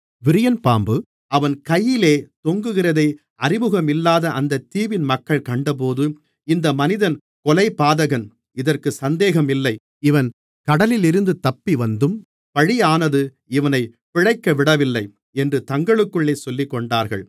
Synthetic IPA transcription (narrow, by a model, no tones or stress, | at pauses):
ʋɪɾɪjɐnpaːmbɯ | ɐʋɐnkɐjːɪleːt̪ɔŋɡɯɣɪrɐðɐɪ | ɐrɪmɯɣɐmɪlːaːðɐʔɐnd̪ɐt̪ːiːʋɪnmɐkːɐɭkɐɳɖɐp̬oːðɯ | ɪnd̪ɐmɐnɪðɐn | kɔlɐɪpːaːðɐɣɐn | ɪðɐrkɯsɐnd̪eːɣɐmɪlːɐɪ | ɪʋɐn | kɐɽɐlɪlɪɾɯnd̪ɯt̪ɐpːiʋɐnd̪ɯm | pɐɻiaːnɐðɯ | ɪʋɐnɐɪ | pɪɻɐɪkːɐʋɪɽɐʋɪlːɐɪ | ɛndrɯt̪ɐŋɡɐɭɯkːɯɭːeːsɔlːɪkːɔɳɖaːɾɣɐ̰ɭ